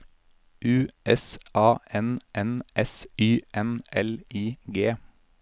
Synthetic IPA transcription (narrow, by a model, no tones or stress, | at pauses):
ʉːʔɛsʔɑːʔɛnʔɛnʔɛsyːʔɛnɛliːɡeː